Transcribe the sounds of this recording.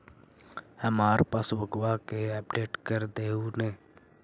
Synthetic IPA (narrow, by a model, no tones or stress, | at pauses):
həmaːɾpaːswəɡwakeɛːpɖeːʈkəɾd̪eːunẽː